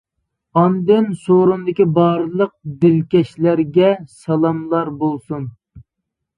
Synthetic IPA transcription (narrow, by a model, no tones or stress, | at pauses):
ɑnd̪ɪnsoɾund̪ɪkʲibɑːɾlˠəq̚d̪ɪlkʲɛʃlæɾɡʲɛsɑlˠɑmlˠɑɾbolˠsun